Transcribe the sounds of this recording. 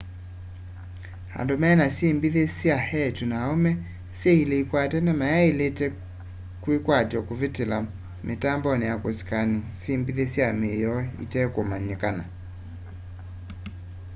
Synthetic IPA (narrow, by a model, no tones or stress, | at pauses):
ha̰ndomɛnasembiðesjahɛtunaɔmɛ | seileikwatɛnɛmajailetɛ | kwikwatjɔkovitɪla | mʔɪtambɔnɛakoskanɪsembiðesjamejɔḭtɛkomaɲekana̰